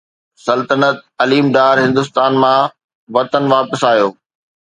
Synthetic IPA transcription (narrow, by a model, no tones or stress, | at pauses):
sɐlt̪ənət̪̚ɐliːmɖaːɾɦɪ̃nd̪ʊs̬t̪aːnmã | ʋɐt̪ənʋaːpəsaːjoː